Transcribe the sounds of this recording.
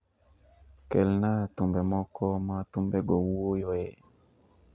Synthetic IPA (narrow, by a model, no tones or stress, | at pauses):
kɛlnatumbɛmɔkɔmatumbɛɡɔwuojoe